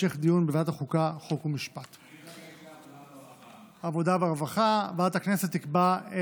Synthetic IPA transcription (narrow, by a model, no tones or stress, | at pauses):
eχd̪ijunbevataχukaχokumiʃpat̪ | avo̞daveaʁvaχavatakne̞set̪ːikbae